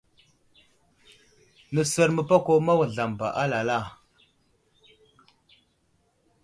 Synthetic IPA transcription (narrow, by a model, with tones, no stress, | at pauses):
nə˨sə˦ɾmə˨pa˦ko˦ma˦wə˨ɮa˨mba̰˨ʔa˦la˨la˦˨